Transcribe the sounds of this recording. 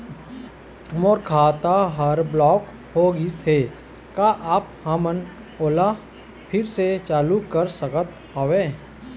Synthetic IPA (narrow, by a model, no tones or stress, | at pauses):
moːɾkʰaːt̪aɦəɾblɔːk | hoɡistʰe | kaʔaːphəmən | oːla | pʰɪɾset͡ʃaːlukəɾsəkət̪ | ɦoːʋẽː